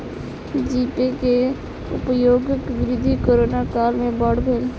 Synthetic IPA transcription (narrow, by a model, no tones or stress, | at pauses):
d͡ʒiːpeke | ʊ̰pjoːɡɪkʋɪɾɪd̪ʱːikoːɾoːnakaːlmẽbɔːɽbʱeːl